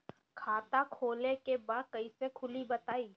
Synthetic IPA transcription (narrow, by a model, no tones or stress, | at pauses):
kʰaːt̪akʰoːlekebaːd̪̚kɐisekʰʊlibɐt̪aːiː